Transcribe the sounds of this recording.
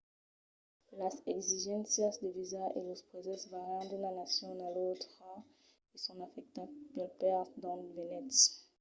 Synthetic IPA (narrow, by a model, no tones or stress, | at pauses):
lasɛɡziʒɛ̃nsjasd̪evizaḛlospχezɛ̃svaʁãd̪ynanasjɔ̃nalot̪χa | esɔ̃nafɛk̚t̪abɛlpɛʁd̪ɑ̃venɛt